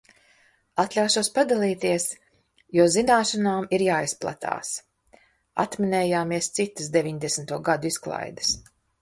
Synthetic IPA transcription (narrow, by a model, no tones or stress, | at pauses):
at̪lʲawʃuɔspad̪alˠiːt̪iɛs | juːzinaːʃanaːmiɾjaːisplˠa̰t̪ʰa̰ːs | a̰t̪minɛːjaːmiɛst̪sit̪əsd̪evʲiɲd̪esnt̪uɔɡad̪uisklˠa̰jd̪ɨ̥s